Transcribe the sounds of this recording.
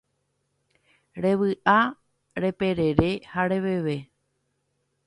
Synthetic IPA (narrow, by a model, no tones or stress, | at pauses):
ɾe̞ʋɨʔa | ɾe̞pe̞ɾe̞ɾe̞haɾe̞ʋeʋe̞